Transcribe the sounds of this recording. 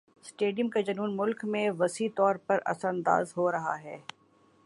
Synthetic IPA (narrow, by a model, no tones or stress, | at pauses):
sʈeːɖijə̃mkad͡ʒɐnuːnmʊlkmẽʋɐsiːt̪ɔːɾpɐɾɐ̰sɾɐ̃nd̪a̰ːzɦoɾɐɦa̰ɦɛː